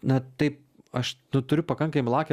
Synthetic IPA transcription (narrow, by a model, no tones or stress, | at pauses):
nɐt̪ɐɪp̚ | ɐʃnʊt̪ʊɾʲʊpɐkɐŋkɐmʲɪlˠɑːkʲɛ